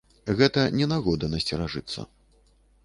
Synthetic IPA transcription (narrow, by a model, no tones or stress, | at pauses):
ɣɛt̪ɐnʲɛnaɣɔd̪ɐnɐsʲt͡sʲɛɾaʐɨt̪sːɐ̰